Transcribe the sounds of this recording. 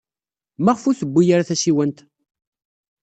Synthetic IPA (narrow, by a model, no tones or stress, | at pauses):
maʁfuθəbːijaɾaθæsiwənt̪